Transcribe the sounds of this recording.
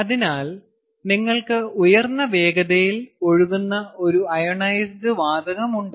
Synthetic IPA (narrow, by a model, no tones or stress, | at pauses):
ɐðinaːl | niŋːɐɭkɨujɐrnːɐʋe̞ːɡɐðɐjilo̞ɻuðunːɐo̞ɾuɐjɐɳɐjɐsdɨʋaːd̪ɐɣɐmuɳɖɨ